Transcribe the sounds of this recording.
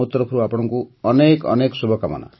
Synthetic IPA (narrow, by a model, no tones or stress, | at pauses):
ut̪ɾɔpʰuɾuapɔɽ̃ɔŋkuʌnekʌ̰neksubʱʌkamʌ̰na̰